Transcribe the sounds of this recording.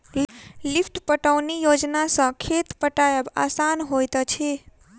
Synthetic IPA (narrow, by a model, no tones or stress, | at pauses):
lifʰʈpəʈəʋnijod͡ʒnasə̃kʰet̪pəʈajəba̰sanɦojt̪ət͡ʃʰe